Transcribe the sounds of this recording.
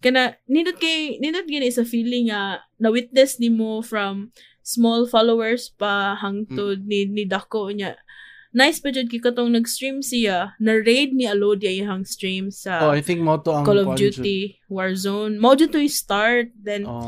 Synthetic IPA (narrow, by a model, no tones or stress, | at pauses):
kɐnaninʊd̪̚kaninʊd̪̚kɐnɪɪsɐfiːlɪŋːɐ | nɐwɪt̪̚nɛsnɪmofɹɐm | smolfalowɛɹspɐhaŋt̪od̪̚nɪnɪd̪akoɲanajspɐd͡ʒʊd̪̚kɪkɐt̪oŋnɐɡst̪ɹimsɪjanɐɹejd̪̚niɐlod̪iaɦɐŋst̪ɹimsɐoajɪ̃ŋk̚mat̪oakolovd͡ʒut̪ɪ | waɹzonmawd͡ʒʊt̪ojist̪aɹt̪̚d̪ɛn